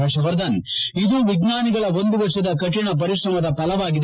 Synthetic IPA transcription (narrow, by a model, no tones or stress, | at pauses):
ɐʂɐʋɐɾd̪ɐnid̪uʋiɡnaːniɡɐɭɐo̞nd̪uʋɐʂɐd̪ɐkɐʈːiɳɐp̬ɐɾiʂɾɐmɐd̪ɐpɐlɐʋaːɡid̪